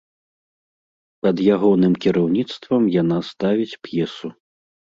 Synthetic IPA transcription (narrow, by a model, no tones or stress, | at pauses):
pɐd̪jaɣɔnɨmkʲiɾawnʲit̪st̪vɐmjanast̪avʲit͡sʲpjɛsu